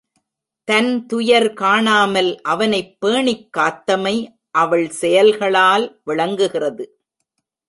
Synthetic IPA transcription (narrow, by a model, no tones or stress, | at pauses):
t̪ɐnt̪ʊjɐɾkaːɳaːmɐlʔɐʋɐnɐɪpːeːɳɪkːaːt̪ːɐmɐɪ | ʔɐʋɐɭsɛjɐlɣɐɭaːlʋɪɭɐŋɡɯɣɪrɐðɯ